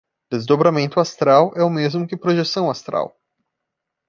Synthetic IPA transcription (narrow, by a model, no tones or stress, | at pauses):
d̪ezd̪obɾamẽnt̪ʊast̪ɾawɛʊmezmʊkɪpɾoʒesɐ̃w̃ast̪ɾa̰w